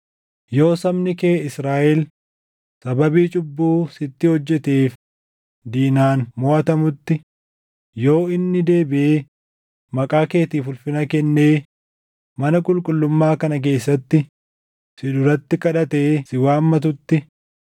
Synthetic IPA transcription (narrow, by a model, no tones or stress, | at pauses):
jo̞ːsɐmnɪkeːɪsɾaːʔɛl | sɐbɐbiːt͡ʃʼʊbːuːsɪt̪ːɪhɔd͡ʒːɛt̪eːf | d̪iːnaːnmɔʔɐt̪ɐmʊt̪ːɪ | jo̞ːɪnːɪd̪e̞ːbɪeː | mɐkʼaːke̞ːt̪iːfʊlfɪnɐkɛnːe̞ː | mɐnɐkʼʊlkʼʊlːʊmːaːkɐnɐk̬e̞ːsːɐt̪ːɪ | sɪᶑʊɾɐt̪ːɪkʼɐᶑɐt̪eːsɪwaːmːɐt̪̬ʊt̪ːɪ